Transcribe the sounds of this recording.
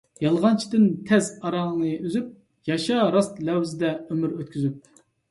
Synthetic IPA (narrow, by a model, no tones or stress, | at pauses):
jɑlˠʁɑnt͡ʃʰid̪ɪnt̪ʰɛzɑɾɑŋnɨyzyp̚ | jɑʃɑɾɑst̪lɛwzɪd̪ɛømyɾøt̪̚kʲyzyp̚